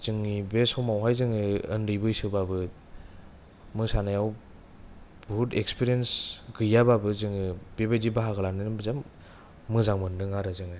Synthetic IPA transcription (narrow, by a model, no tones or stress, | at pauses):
z̥ɯŋːibesɔwmawɦajzɯŋɯɯndɯjbɯjsɯbabɯ | mɯsanajaw | butekspʰiɾiensɡɯjababɯzɯŋibebedibaɦaɣɯlanɯnɯbzamː | ɯzaŋmɯndɯŋaɾɯzɯŋɯ